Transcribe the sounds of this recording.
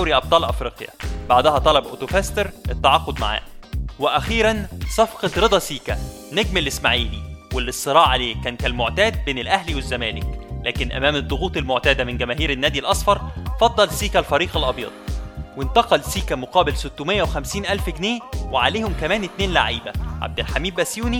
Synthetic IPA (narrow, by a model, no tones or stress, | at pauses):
æwɾiʔɑb̚t̪ˤɑːlʔɑfɾiːqjɑ̰baʕd̪æhæt̪ˤɑlɑbʔo̰t̪ofæst̪eɾɪt̪ːaʕɑːqːod̪ma̰ʕa̰ːweʔæxiːɾænsˤɑfqɑt̪ɾed̪ˤɑsiːkæ | neɡmelːɪsmaʕiːniwelːesˤːɨɾˤɑːʕʕaleːkæːnkælmoʕt̪æːd̪̚beːnɪlʔæhliwezːæmæːlɪklæːkɪnʔæ̰mæːmed̪ˤːoɣuːt̪ˤelmoʕt̪æːd̪æmɪnɡæmæːɦiːɾenːæːd̪ilʔɑsˤfɑɾˤfɑd̪ˤːɑlsiːkælfæɾiːqɑlʔɑbjɑ̰ːd̪̥̚ˤwent̪ɑqɑlsiːkæmoqɑːbɪlsot̪ːomejːæwexæmsiːnʔælfɡneːweʕaleːhomkæmæːnɪt̪neːnlaʕiːbæʕa̰b̚d̪ɪlħamiːb̪ʔæsjuːni